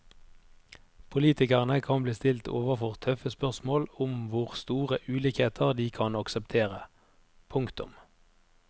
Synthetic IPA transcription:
pʰʊliːt̪ɪkəʁənəkʰɑnbliːst̪ɪlt̪ʰo̰ːʋəʁfɔʁt̪ʰœfəspœʁsmoːlʊmʋʊʁst̪uːʁəʔʉːliːkheːt̪ʰəʁd̪iːkʰɑnɑksəpt̪ʰeːʁə | pʰʊŋkt̪ʊ̰m

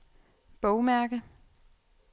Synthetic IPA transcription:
b̥ɔʊmæɐɡ̥ə

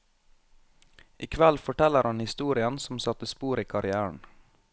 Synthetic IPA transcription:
ʔɪkʰʋælfɔʈɛləɾhɑnhɪst̪uːɾɪənsɔmsɑt̪əspuːɾiːkʰɑɾɪæːəɳ

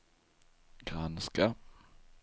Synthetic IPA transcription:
ɡ̥ʁanskap

